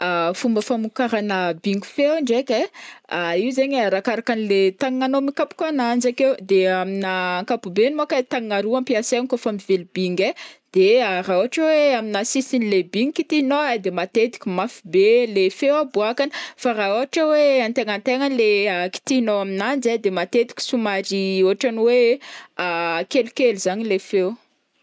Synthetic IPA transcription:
afumbəfamukaɾanəbiŋɡufewɳɖ͡ʐekʲeaiwzeɲɾakaɾakanilet̪aŋŋanomikapu̥kanand͡ʒakewd̪eaminaːŋkapubenimakat̪aŋŋaɾuampiasenkofamivelibiŋɡed̪̥earaoaʈ͡ʂaweaminasisinilebiŋikit̪iinoad̪emat̪ed̪i̥kʲimafibelefewabuakani̥faɾaoaʈ͡ʂəweant̪eŋant̪eŋanileaki̥t̪iɦinoaminand͡zad̪emat̪ed̪i̥kʲi̥sumaɾioaʈ͡ʂaniweakelukeluzaɲilefew

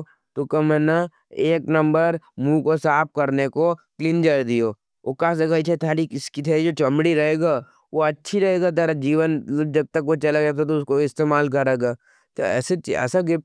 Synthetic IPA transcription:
t̪okɐmɛna | eːknɐ̃mbəɾmũkosaːp̚kɐɾnekokliːnd͡ʒɐɾd̪ijo | okaːs̬ɐɡait͡ʃʰet̪ʰaːɾikɪskit̪ʰeid͡ʒoːt͡ʃɐmɽiɾɐɦeːɡa | ʋoɐtːʃʰiɾɐɦeːɡat̪ɐɾad͡ʒiːʋən̚d͡ʒɐɡ̚t̪ɐkʋot͡ʃɐlaɡat̪ʰat̪̬oʊskoɪst̪eːmaːlk̬ɐɾeːɡaː | t̪oɛ̰ːset͡ʃiɛ̰ːsaɡɪ

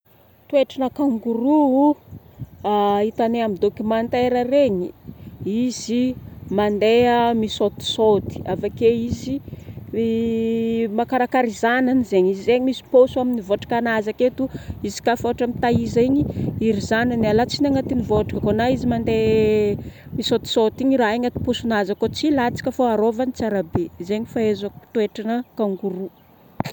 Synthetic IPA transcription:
t̪ueʈ͡ʂanakaŋɡuɾuu | ait̪aneamid̪okimant̪eɾəreɲiiz̥imand̪eəmisot̪i̥sot̪i̥avakeizi | makaɾakaɾizananizeɲizizeɲimisi̥posuaminivoʈ͡ʂḁkanazaket̪uizi̥kafoʈ͡ʂamit̪aiziɲiiɾizananalat͡sinaŋat̪inivoʈ͡ʂi̥kəkonaizimand̪e | misot̪i̥sot̪iɲiraeŋat̪i̥posunazakot͡silat͡si̥kʲəfoaɾovanit͡saɾabezeɲifaezaku̥t̪oeʈ͡ʂanəkaŋɡuɾu

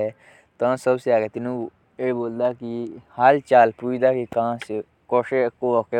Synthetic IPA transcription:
e | t̪ãːsɐbseaːɡet̪inũ | eboːld̪aːkihaːlt͡ʃaːlpuːid̪aːkikãːse | koʂekoʋoke

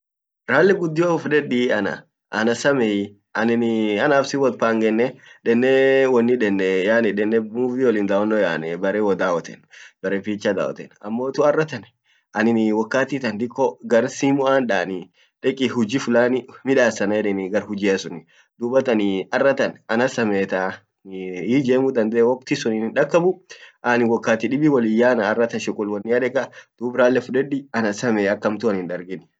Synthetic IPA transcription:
ɾaːlːɪɡʊd̪ːɪoʊfᶑɛᶑiɐnɐ̰ | ʔɐnɐsɐmɛ | ɐnɪnɐnaːbsɪwɐt̪faːŋɡɛnːɛᶑɛnːɛwɔnːɪᶑɛnːɛjaːnɪᶑɛnːɛufiɔlɪnd̪awɔnːɔja̰ːnɛbɐɾeːwɔd̪aːwɐt̪ɛ̰nb̥ɐɾɛːfiːt͡ʃːɐd̪a̰ːwɔ̰t̪ɛ̰nɐmːoːt̪ʊɐrːɐt̪ɐn | ɐnɪnwɐkːaːt̪iːt̪ɐnd̪ɪkːɔɡɐɾsiːmʊaːnᶑaːnɪ | ᶑɛkʼɪhʊd͡ʒifʊlaːnɪmɪᶑaːsɐnɐjɛᶑɛnɡɐɾhʊd͡ʒiːɐsʊnɪ | d̪̥ʊbɐt̪ɐnɪɐrːɐt̪ɐnɐnɐsɐmeːt̪a | id͡ʒeːmʊd̪ɐnd̪ɛʔɛwɔk̚t̪isʊninɪnᶑɐkːɐbʊʔɐnɪwɔkːaːt̪iɗɪbɪwɐlɪjːaːnɐːrːɐt̪ɐnʃɪkʼːʊlwɐnːɪɐᶑɛkʼɐd̪̥uːbɾaːlːɛfʊᶑɛᶑɪɐnɐsɐmeːɐkːɐmt̪ʊɐnɪnᶑɐɾɡɪn

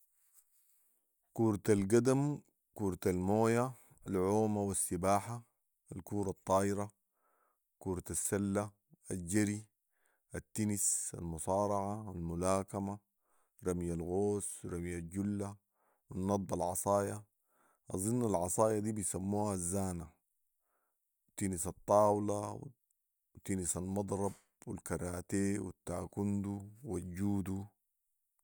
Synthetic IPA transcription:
kuːɾt̪alɡad̪am | kuːɾˤt̪almoːja | alʕoːmawasːibaːħa | alkuːɾˤɑt̪ˤːɑːʔiɾa | kuːɾt̪asːalːa | alɟaɾi | ʔat̪ːinisa̰lmʊsˤɑːɾˤɑʕaalmulaːkama | ɾˤɑmjalɣoːswɾamjalɟulːa | winːɑd̪̚ˤbalʕɑsˤɑːja | ʔɑzˤinːalʕɑsˤɑːjad̪iːbijsamːuːhaazːaːna | wt̪ːinisɑt̪ˤːɑːwlaw̰ | wt̪inisalmɑd̪ˤɾˤɑb̚wilkɑɾˤaːt̪eːwit̪ːaːkund̪uwalɟuːd̪u

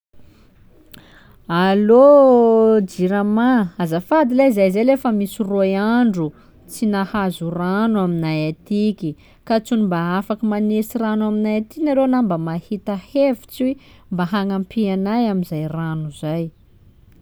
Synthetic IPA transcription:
alo | d͡ʒiɾamaazafad̪ilaizazalefəmisirojaɳɖ͡ʐu | t͡sinahazuranuaminajat̪ikʲi | kat͡sunimbaafakəmanesiranuaminajat̪inaɾonambəmahit̪ahevi̥t͡siembaɦaŋampianajaminzajranuzaj

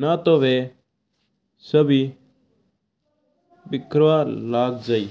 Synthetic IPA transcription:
naːt̪oːʋeː | səbiː | bɪkɾʋaːɾlaːɡd͡ʒaːiː

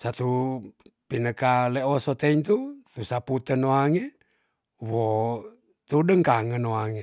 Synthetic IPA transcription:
sat̪u | pinəkaleʔosot̪eiŋt̪ut̪usaput̪ənoaŋe | wo | t̪udəŋkaŋənoaŋe

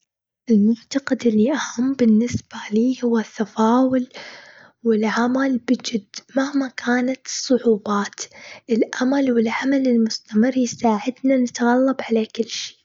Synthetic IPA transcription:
ʔɪlmʊnt̪aqɪd̪ɪlːiʔahamːbɪnːɪsb̥aliːhʊwːaθːafaːwʊl | wɪlʕamalbɪd͡ʒɪd̪mahmakʰaːnat̪ɨ̥sˤːʊʕuːbaːt̪ʔɪlʔamalwɪlʕamalɪlmʊst̪amɪrːjɪsaːʕɪd̪nanɪt̪ɣalːɑbʕalakɪlːʃi̥ː

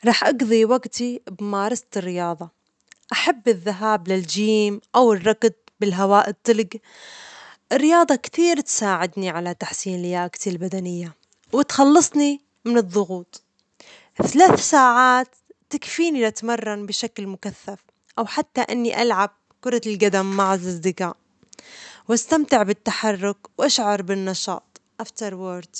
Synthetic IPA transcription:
ɾˤɑːħʔɑɡðˤiwaɡt̪ibmɑːɾˤɑst̪ɪrːɪjɑːðˤɑ | ʔaħabːɪðːaɦaːblɪld͡ʒiːmʔawɪrːɑɡd̪̚ | bɪlɦawaːʔɪt̪ˤːɪlɡ | ʔɪrːɪjɑːðˤɑkt̪iːɾt̪saːʕɪd̪niʕalat̪ːaħsiːnlɪjaːkt̪ilbad̪anɪjːa | wɪt̪xɑlːɑsˤni | mɪnɨðˤːʊɣuːt̪ˤ | θalaːθsaːʕaːt̪ː | akfiːnilat̪mɑrˤːɑnbɪʃaklmʊkaθːaf | ʔawħat̪ːaʔɪnːiʔalʕab̚ | kʊɾˤɑlɡad̪amːaʕalʔɑzd̪ɪka̰ːʔ | wʔast̪amt̪ɪʕbɪt̪ːaħɑrˤːʊkwʔaʃʕɑɾˤbɪnːɑʃɑ̰ːt̪ˤʔaft̪ɑɾˤwoːɾd̪

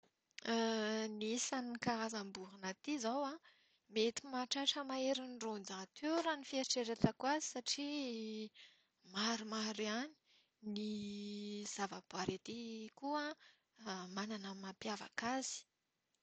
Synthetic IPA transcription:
nisanikaazambuɦanat̪izawa | met̪imaʈ͡ʂaʈ͡ʂəmaeɾinrond͡zat̪ʰeɾanifieɾiʈ͡ʂeɾet̪akuazi̥saʈ͡ʂi | maɾumaɾiani̥ | ni | z̥avab̥aɾet̪ikua | mananəmapjava̰kazi̥

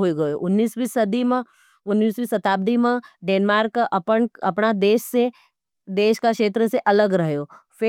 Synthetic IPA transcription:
ɦoiɡɐjoʔʊnːiːsbiːsɐd̪im | ʊnːiːsbiːsɐt̪aːb̚d̪imẽɖeːnmaːɾkʔɐpənɐpnad̪eːʃse | d̪eːʃkakʃeːt̪ɾəseʔɐləɡɾɐɦjoːfɪ

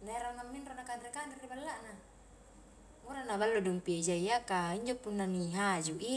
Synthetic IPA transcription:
naiɾaŋamːinronakandɾikanderibalːaʔna | muɾanaβalːudumpid͡ʒaiakaiɲd͡ʒopunːaniɦad͡ʒuʔi

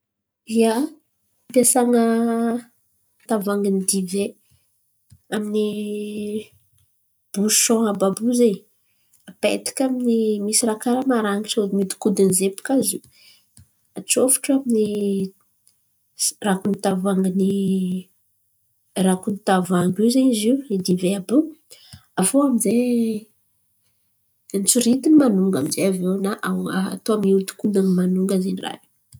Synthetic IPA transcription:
via | pjasaŋə | t̪avaŋɡinid̪ive | amini | b̥u̥ʃɔ̃ababuzej | apḛt̪i̥kʲaminimisiɾakaɾamaɾaŋi̥somid̪i̥kud̪anzepu̥kazu | at͡sofu̥ʈ͡ʂamini | rakunit̪avaŋɡini | rakunit̪avaŋɡiwzaɲiziuid̪iveabu | afoamize | nt͡suɾit̪inimanuŋɡaminzeavewnaʔaa̰t̪oamiut̪u̥kud̪animanuŋɡazenira̰ni

